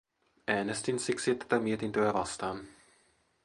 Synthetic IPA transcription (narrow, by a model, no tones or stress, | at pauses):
ʔæːnest̪insiksit̪ːæ̥t̪æmiet̪int̪øæʋɑst̪ɑːn